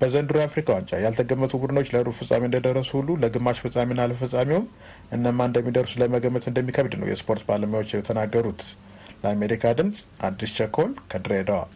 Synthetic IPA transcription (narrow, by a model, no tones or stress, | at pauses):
b̥əzənd̪ɨɾuafɾikʰawant͡ʃʼa̰jalt̪ʰəɡəmːət̪ʰubud̪ɨnot͡ʃːləɾufɨsʼa̰miɨnd̪əd̪ərːəsuhulːuləɡɨmːaʃfɨsʼaminːaləəfɨsʼamiwum | ʔɨnːəmːaɨnd̪əmːid̪əɾsuləməɡəmːət̪ɨnd̪əmːikʰəβd̪nə̰wjɛ̰spʰo̞ɾt̪baləmjawo̞t͡ʃːɛmət̪ʰənaɡːəɾut̪ | ləame̞ɾikʰad̪ɨmsʼʔad̪ːist͡ʃʰəkʰo̞lkʰəd̪ɾəed̪əwa̰l